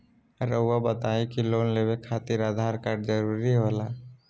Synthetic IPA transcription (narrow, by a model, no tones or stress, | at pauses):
ɾəʊːabət̪aːikiloːnleːwekʰaːt̪iɾaːd̪ʱaːɾkaːɾɖd͡ʒəɾuːɾiɦoːlaː